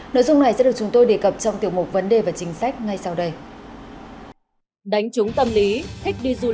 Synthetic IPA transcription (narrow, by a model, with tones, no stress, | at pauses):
no̰˧˥˨jzʊ˧ŋ͡mna˨˩jza̰˧˥ɗɨ˨˩k̚t͡ɕʊ˨˦ŋ͡mt̪o˧jɗe˧˩kə˨˩p̚t͡ɕɔ˧wŋ͡mt̪i˨˩əwmu˨˩k͡p̚və˨˦nɗe˨˩vaː˨˩t͡ɕï˨˦ŋ̟sa˦˥jk̟̚ŋa˧jsa˧wɗə˧j | ɗa˨˦jŋ̟t͡ɕʊ˨˦ŋ͡mt̪ə˧mli˨˦t̪ʰï˦˥k̚ɗi˧zu˧